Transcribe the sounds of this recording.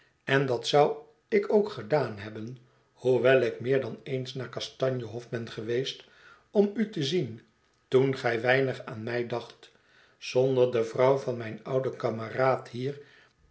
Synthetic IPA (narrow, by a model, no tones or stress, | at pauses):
ɛndɑtsʌw | ɪkowkχədaːnɦɛbən | huʋɛlˠɪkmɪːɹdɑnejnsnaːɹkɑstɑɲjəɦɔfbɛnχəʋejst | ɔmytəzin | tunχɛjʋɛjnəχaːnmɛjdɑχt | sɔndəɹdəvrɑwvɑnmɛjnʌwdəkɑməraːthiːɹ